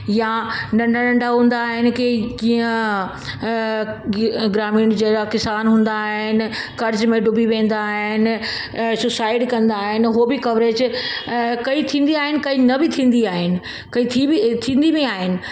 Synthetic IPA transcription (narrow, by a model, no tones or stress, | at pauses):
jaɖɐ̃ɳɖʱɽɐ̃ɳɖaɦũːnd̪aːɦɪnɪ̆kekiːə̃ | ɡɾaːmiːɳ̃d͡ʑeɾakɪsaːnɦũːn̆d̪aɦɪnɪ̆kɐɾd͡ʑmẽɖʊbiʋẽːn̆d̪aːɦɦɪn̆ | sʊsaːɪɖkɐ̃nd̪aːɦɪnɪ̆ɦobɪkɐʋɾeːd͡ʑ | kɐit̪ʰĩːnd̪iaːɦɪnɪ̆kɐinɐbɪt̪ʰĩːn̆d̪iaːɦɪnɪ̆ | kɐit̪ʰit̪ʰĩːnd̪imẽaːɦɪnɪ̆